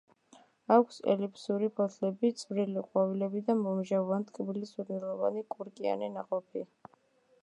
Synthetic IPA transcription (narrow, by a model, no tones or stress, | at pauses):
akʷʰsɛ̰lipʰʼsuɾibʰɔt̪ʰlɛbit̪sʼvɾiliqʼwavilɛbid̪amɔmʒavant̪ʼkʼbilisuɾnɛlˠɔva̰nikʼuɾkʼia̰nɛnaqʼɔpʰi